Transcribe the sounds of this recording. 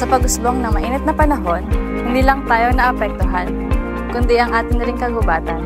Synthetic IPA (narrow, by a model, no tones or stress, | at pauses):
sɐpɐɡʊsboŋnɐŋmɐʔiːnɪt̪̚nɐpɐnɐɦo̞nhɪnd̪iːlɐŋt̪aːjo̞nɐʔɐpɛk̚t̪ʊɦan | kʊnd̪iʔɐŋʔaːt̪ɪnːɐɾɪŋkɐɡʊbaːt̪ɐn